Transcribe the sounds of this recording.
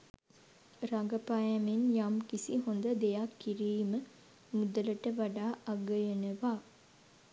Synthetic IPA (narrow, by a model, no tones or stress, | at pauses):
ɾaɡəpajæmenjamkisiɦond̪əd̪ejakːiɾiːmə | mud̪ələʈəʋaɖaːʔaɡəjənəʋaː